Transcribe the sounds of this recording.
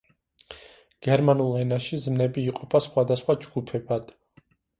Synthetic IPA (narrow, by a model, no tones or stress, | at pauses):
ɡ̥ɛɾmanulˠɛnaʃizmnɛbiːqʼɔpʰasχwad̪asχwad͡ʒɡ̥upʰɛbad̪̥